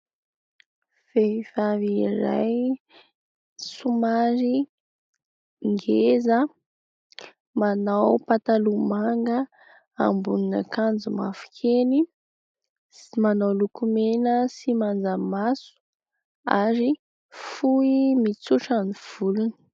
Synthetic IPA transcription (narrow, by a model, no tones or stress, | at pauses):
feiv̥aviɾa̰j | sumaɾi | ŋɡezə | manawpat̪alumaŋɡə | a̰mbunina̰kand͡zuma̰fu̥kʰeni | imanawlukumenəsimand͡zamasu̥ | a̰ɾi | fuimit͡suʈ͡ʂaniv̥uluni̥